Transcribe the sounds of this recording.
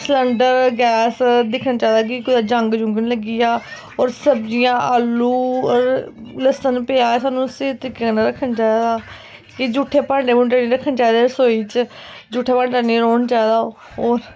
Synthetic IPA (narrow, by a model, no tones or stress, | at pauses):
sləɳɖəɾɡɛːsd̪ɪkʰnaːt͡ʃaːd̪aːk̬ɪkʊd̪aːd͡ʒəŋɡd͡ʒʊ̃ŋɡnĩːləɡiːaː | oːɾsəbd͡ʒɪjãːʔaːlːuːɔɾləsənpeaːesaːnũːseːt̪ɾiːkanaɾəkʰːənt͡ʃaːid̪aː | kɪd͡ʒuːʈʰːeːpaːɳɖeːmũnʈaːnĩːɾəkʰənt͡ʃaːd̪aːsoːiːt͡ʃ | d͡ʒuːʈʰːeːpaːɳaːɳiːɾoːnt͡ʃaːd̪aː | oːɾ